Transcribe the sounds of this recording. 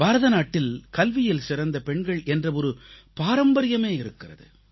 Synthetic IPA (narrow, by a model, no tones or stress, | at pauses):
baːɾɐðɐnaːʈːɪlkɐlʋɪjɪlsɪɾɐnd̪ɐpɛɳɡɐɭʔɛndrɐɔɾɯpaːɾɐmbɐɾɪjɐmeːɪɾɯkːɪrɐðɯ̰